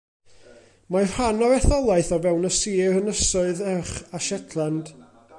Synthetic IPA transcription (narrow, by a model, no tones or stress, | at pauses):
majr̥hanɔvɛθɔlˠaɨθɔvɛwnəsiːrənəsʊɨðɛχaʃɛtʰlˠand̥